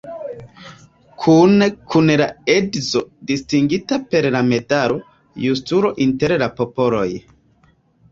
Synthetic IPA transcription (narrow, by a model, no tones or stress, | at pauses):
kʰunkʰunlaedzodistiŋɡitape̞ɾlame̞taɾo̞ | justuɾo̞ʔinte̞ɾlapo̞po̞lo̞̰j